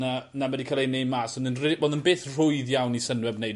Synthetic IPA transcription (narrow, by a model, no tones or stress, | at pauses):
anamɛdikʰalˠejnejmasɔndənreboːndənbeːθr̥ʊɨðjawnisənwɛbnej